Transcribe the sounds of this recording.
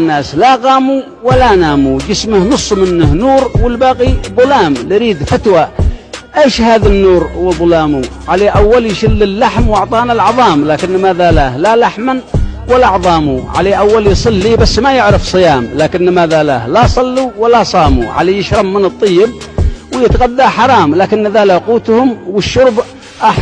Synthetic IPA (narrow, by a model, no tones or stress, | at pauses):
nːaːslaɣɑːmu | walanaːmud͡ʒɪsmahnʊsˤːmɪnːɪhnuːɾwɪlbaːɣiðˤʊlaːmlɪɾiːd̪fat̪waʔeːʃhaːðanːuːɾwɪlðˤʊlaːmu | ʕaleːʔawːaljʃɪlːɪlːaħmwɑʕt̪ˤɑːnalʕɑðˤɑːmlaːkɪnːɪmaːðalaːhlalaħmanwalːaʕðˤɑːmuʕa̰leːʔawːaljsˤɨlːiːbasːmajɪʕɾɪfsˤɨjaːmlaːkɪnːmaːðalaːhlasˤɑlːuwalːasˤɑːmṵʕa̰leːjɪʃɾˤɑmːɪnɨt̪ˤːɨjːɪb̚wjɪt̪ɣad̪ːaħɑɾˤɑːmlaːkɪnːðaːlaquːt̪hʊmwɪʃːʊɾb | ʔaħ